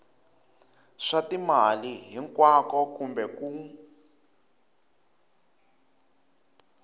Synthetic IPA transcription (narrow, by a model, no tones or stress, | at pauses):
ʂatimaliɦiŋkwakɔkumbɛku